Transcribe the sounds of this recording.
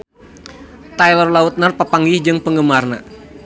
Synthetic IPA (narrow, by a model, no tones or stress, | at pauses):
t̪ajlərlaut̪̚nərpapaŋɡɪhd͡ʒɨŋpəŋɡəmarna